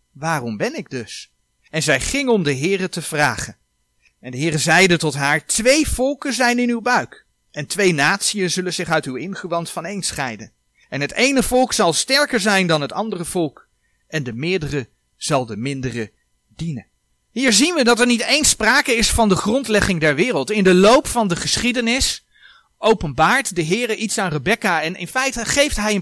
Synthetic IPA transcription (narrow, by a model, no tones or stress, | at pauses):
ʋaːrɔmbɛnɪɡ̚dɵs | ɛnzɛjχɪŋɔmdəɦɪːrətəv̥raːχən | ɛndəɦɪːrəzɛjdətɔtɦaːɹtʋejv̥ɔlˠkənzɛjnɪnywbœɥk | ɛntʋejnaːtsiənzɵlənzɪχœɥtywɪnχəʋɑntfɑnejnsχɛjdən | ɛnɦətejnəvɔlˠksɑlˠstɛɹkəɹzɛjndɑnɦətɑndərəv̥ɔlˠk | ʔɛndəmɪːɹdərə | z̥ɑlˠdəmɪndərə | dinən | ɦiːɹzinʋədɑtɛɹnitejnspraːkəɪsfɑndəχrɔntlɛχɪŋdɛɹʋɪːrəlˠtɪndəlowpfɑndəχəsχidənɪs | owpənbaːɹtdəɦɪːrəʔitsaːnrəbɛkaɛnɪ̰nfɛjtəχejftɦɛjən